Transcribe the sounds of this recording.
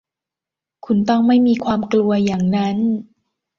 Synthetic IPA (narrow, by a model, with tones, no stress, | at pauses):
kʰu˧nt̪ɔ˥˩ŋma˥˩jmiː˧kʰwaː˧mklu˧ɐjaː˨˩ŋna˦˥n